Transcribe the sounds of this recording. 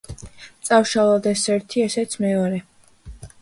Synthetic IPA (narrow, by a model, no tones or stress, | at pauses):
t̪sʼafʃalˠɔd̪ɛsɛɾt̪ʰiɛsɛt̪sʰmɛɔɾɛ